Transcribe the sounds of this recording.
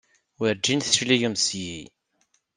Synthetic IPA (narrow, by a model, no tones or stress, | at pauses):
wəɾd͡ʒːinθə̥ʃlijəmsji